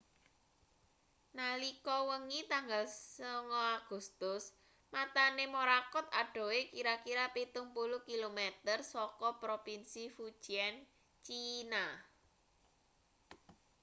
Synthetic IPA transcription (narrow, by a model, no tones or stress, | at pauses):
nalikɔwəŋit̪aŋɡalsəŋɔaɡ̥ṳst̪ʊs | mat̪anemoɾakɔt̪̚aɖ̥o̤wekiɾakiɾapit̪ʊŋpulʊhkilomet̪ərsɔkɔpɾopinsifud̥ʒ̥iɛn | t͡ʃina